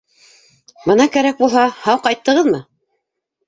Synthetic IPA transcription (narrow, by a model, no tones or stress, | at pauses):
bɤ̆nɑkæɾæk̚bulˠɦɑhɑwqɑjt̪ːɤ̆ʁɤðmɤ